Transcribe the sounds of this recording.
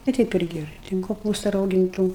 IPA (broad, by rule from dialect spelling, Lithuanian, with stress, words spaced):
ʋɐ ˈtʲɛɪp ˈɪrʲɡʲɪ ˈtʲɛn koːˈpuːstɐ rɐʊɡʲɪnˈtuː